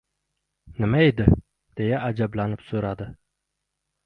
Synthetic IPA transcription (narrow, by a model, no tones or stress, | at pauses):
nɪmaed̪ɪ | d̪̥e̞jaʔːd͡ʒablanɪpsɵɾad̪ɪ